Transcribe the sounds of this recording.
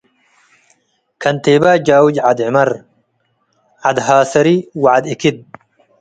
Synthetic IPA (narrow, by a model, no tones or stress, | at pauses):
kʰɐnt̪ʰeːbaːd͡ʒaːwid͡ʒʕad̪ʕɪmɐɾ | ʕad̪ɦaːsɐɾiwaʕad̪ɪkʰid̪̚